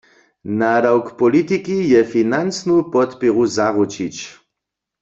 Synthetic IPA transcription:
naɾawkpɔlit̪ikijɛfinant͡snupɔt̪piʁuzaʁut͡ʃit͡ʃ

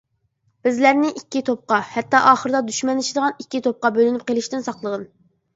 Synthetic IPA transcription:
b̥ɪzlæɾnɪʔikʲːit̪ʰop̚qɑhɛt̪ːɑʔɑːχəɾɨd̪ɑd̪yʃmɛnɪt͡ʃʰid̪əʁɑnikʲːit̪ʰop̚qɑbølynyp̚qelˠɪʃt̪ɪnsɑqlˠəʁən

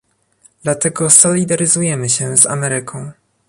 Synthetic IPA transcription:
d̪̥lat̪ɛɡɔsɔlʲid̪aɾɘzujɛmɘɕɛza̰mɛɾɘkʰɔ̃w̃

